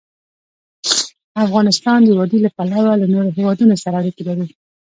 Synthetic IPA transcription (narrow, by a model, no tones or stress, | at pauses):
afɣɑnɪst̪ɑnd̪əwɑd̪ilapalawalanoɾoɦewɑd̪unosaɾaːɾikelaɾi